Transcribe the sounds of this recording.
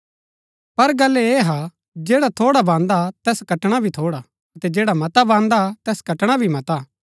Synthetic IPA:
pɐɾɡɐlːeeɦa | d͡ʒeːɽat̪ʰoːɽabãːnd̪at̪ɛːskɐʈɽ̃abʱit̪ʰoːɽa | ɐt̪ɛd͡ʒɛːɽamɐt̪abãːnd̪at̪ɛːskɐʈɽ̃abʱimɐt̪a

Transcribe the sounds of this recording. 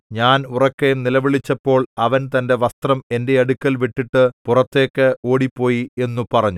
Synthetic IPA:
ɲaːnurɐkːejumnilɐʋiɭit͡ɕːɐpːo̞ːɭɐʋɐnt̪ɐnde̞ʋɐst̪rɐme̞nde̞ɐɽukʲːɐlʋiʈːiʈːɨpurɐt̪ːe̞ːkːɨo̞ːɽipːo̞ːjie̞nːupɐrɐɲːu

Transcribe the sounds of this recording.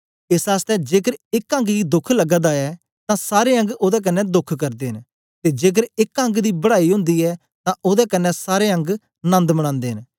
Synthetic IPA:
ɪsaːst̪ɛd͡ʒeːkəɾɪkə̃ŋɡɡiːd̪ʊkʰlɐɡd̪aɛː | t̪ãsaːɾeːɐ̃ŋɡod̪ɛk̬ənːɛd̪ʊkʰkɐɾd̪eːɦɪn | t̪ed͡ʒeːk̬əɾɪkə̃ŋɡd̪iːbəɽaːiɦʊ̃nd̪iːɛː | t̪ãʔʊd̪ɛːkənːɛsaːɾeɐ̃ŋɡ | nə̃nd̪məɽ̃ãːnd̪eːɦɪn

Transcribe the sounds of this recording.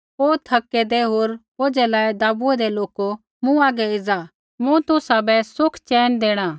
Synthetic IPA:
oːt̪ʰɐkːɛd̪ɛɦoːɾ | oːd͡ʒɛlaːed̪aːbuɛd̪ɛloːko | mũaːɡɛɪd͡za | mũt̪ʊsabɛsʊkʰt͡ʃɛːnd̪eːɽ̃ãː

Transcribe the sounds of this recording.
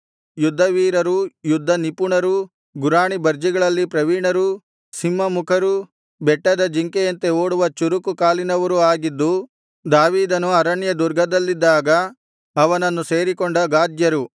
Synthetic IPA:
jud̪ʱːɐʋiːɾɐɾujud̪ʱːɐnipuɳɐɾu | ɡuɾaːɳibɐɾd͡ʒiɡɐɭɐlːipɾɐʋiːɳɐɾu | simːɐmukʰɐɾu | bɛʈːɐd̪ɐd͡ʒiŋkejɐnt̪eoːɽuʋɐt͡ʃuɾukukaːlinɐʋɐɾuaːɡid̪ːu | d̪aːʋiːd̪ɐnuɐɾɐɳjɐd̪uɾɡʱɐd̪ɐlːid̪ːaːɡɐː | ʋɐnɐnːuse̞ːɾikɔɳɖɐɡaːd͡ʒ̪jɐɾu

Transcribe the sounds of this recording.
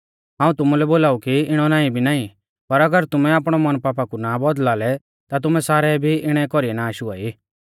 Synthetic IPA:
ɦãːũt̪ʊmulɛboːlaːukiɪɽ̃ɔnaːĩbʱinaːĩ | pɐɾɐɡəɾt̪ʊmɛaːp̬ɽ̃ɔmɐnpaːpakunabɔd̪laːlɛ | t̪at̪ʊmɛsaːɾɛbʱiɪɽ̃ɛkɔɾiɛnaːʃuaːiː

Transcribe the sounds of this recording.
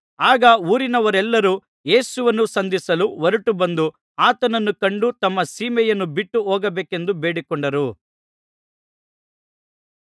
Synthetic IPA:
aːɡɐuːɾinɐʋɐɾɛlːɐɾuː | je̞ːsuʋɐnːusɐnd̪isɐluʋɐɾuʈubɐnd̪u | aːt̪ɐnɐnːukɐɳɖut̪ɐmːɐsiːmɛjɐnːubiʈːuɦɔːɡɐbeːke̞nd̪ubeːɽikɔɳɖɐɾu

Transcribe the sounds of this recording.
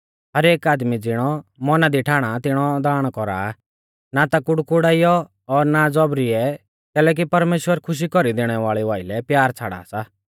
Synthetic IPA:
ɦɐɾeːkaːd̪mid͡zɪɽ̃ɔmɔnad̪iʈʰaːɽ̃at̪ɪɽ̃ɔd̪aːɽ̃kɔɾa̰ | nat̪akʊɽkʊɽaːijɔ | ɔːɾnad͡zɔbɾiɛ | kɛːlɛːk̬ipɐɾmeːʃwəɾkʰʊʃ̬ikɔɾid̪eːɽ̃ɛʋaːɭiʋaːɪlɛpjaːɾt͡sʰa̰ːɽa̰ːsa

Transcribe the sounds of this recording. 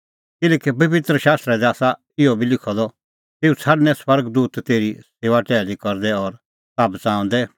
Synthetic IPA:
kɪlɛːkipɐbɪt̪ɾəʃaːst̪ɾɛd̪ɛaːsa | ɪɔbʱilɪkʰɔd̪ɔ | t̪eːut͡sʰɐɖnɛ̃swɐɾɡd̪uːt̪t̪eːɾiseːʋaʈɛːlikɔɾd̪ɛɔɾ | saːbt͡sãːʊ̃nd̪ɛ

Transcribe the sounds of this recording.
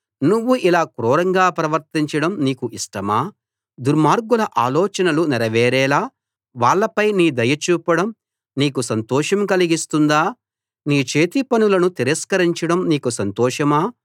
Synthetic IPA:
nuʋːuʔilaːkɾɔːɾɐŋɡaːpɾɐʋɐɾt̪iɲt͡ʃɐɽɐmniːkuʔiʂʈɐmaː | d̪uɾmaːɾɡulɐʔaːlɔːt͡ʃɐnɐlunɛɾɐʋɛːɾɛːlaː | ʋaːɭːɐpɐjniːd̪ɐjɐt͡ʃuːpɐɽɐm | niːkusɐnt̪ɔːʂɐmkɐliɡist̪und̪aː | niːt͡ʃeːt̪ipɐnulɐnut̪iɾɐskɐɾiɲt͡ʃɐɽɐmniːkusɐnt̪ɔːʃɐmaː

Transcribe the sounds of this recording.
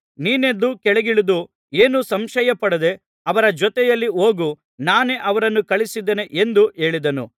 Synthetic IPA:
niːne̞d̪ːukɛɭeɡiɭud̪u | eːnusɐmʃɐjɐpɐɽɐd̪e̞ | ɐʋɐɾɐd͡ʒɔt̪ɛjɐlːio̞ːɡu | naːne̞ʔɐʋɐɾɐnːukɐɭisid̪ːene̞ʔend̪ue̞ːɭid̪ɐnṵ

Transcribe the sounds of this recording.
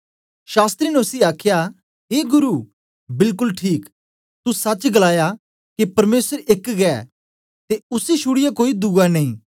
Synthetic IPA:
ʃaːst̪ɾinɛʊsiaːkʰja | ɦeːɡʊɾuː | bɪlkʊlʈʰiːk | t̪usɐt͡ʃɡɐlaːja | kepɐɾmeːsəɾekɡɛ̰ | t̪eʊsiʃʰʊɽɪjakoːid̪uɡanɐĩː

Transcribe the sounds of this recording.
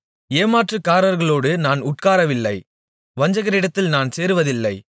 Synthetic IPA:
eːmaːʈrɯkːaːɾɐɾɣɐɭoːɽɯnaːnʊʈkaːɾɐʋɪlːɐɪ | ʋɐɲd͡ʒɐɣɐɾɪɽɐt̪ːɪlnaːnseːɾɯʋɐðɪlːɐɪ

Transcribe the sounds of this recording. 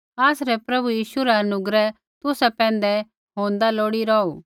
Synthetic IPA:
aːsɾɛpɾɐbujiːʃuɾɛɐnʊɡɾɛ | t̪ʊsɛpɛ̃ːnd̪ɛ | ɦõːnd̪aloːɽiɾɔːuː

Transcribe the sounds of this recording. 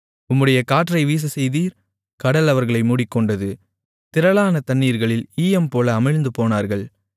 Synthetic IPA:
ʊmːɯɽɐjɐkaːʈrɐɪʋiːs̬ɐsɛjðiːɾ | kɐɽɐlɐʋɐɾɣɐɭɐɪmuːɽɪkːɔɳɖɐðɯ | t̪ɪɾɐlaːnɐt̪ɐɳːiːɾɣɐɭɪliːjɛmpoːlɐːmɐɻnd̪ɯpoːnaːɾɣɐɭ

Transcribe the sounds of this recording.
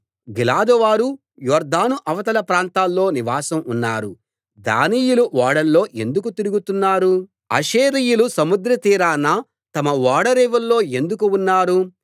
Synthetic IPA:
ɡilaːd̪ɔʋaːɾu | jɔːɾd̪aːnuʔɐʋɐt̪ɐlɐpɾaːnt̪aːlːo̞ːniʋaːsɐmunːaːɾu | d̪a̰ːnijuluʋaːɽɐlːo̞ːʔe̞nd̪uk̬ut̪iɾuɡut̪unːaːɾu | ɐ̰ʃeːɾijulusɐmud̪ɾɐt̪iːɾaːnːa | t̪ɐmɐʋaːɽɐɾeːʋɐlːo̞ːe̞nd̪ukuunːaːɾu

